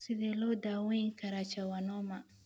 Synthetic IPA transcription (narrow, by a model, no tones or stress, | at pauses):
sidelodawɔ̃iŋkaɾat͡ʃawanɔma